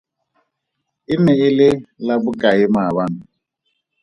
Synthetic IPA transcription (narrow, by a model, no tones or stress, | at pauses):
ɪnɛɪlɪlabʊkʼaɪmaβanʊ